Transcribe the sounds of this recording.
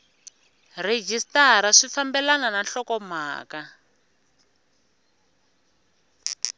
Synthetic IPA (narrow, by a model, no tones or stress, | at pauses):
red͡ʒistaɾaʂifambɛlanananɬɔkɔm̤a̰ːka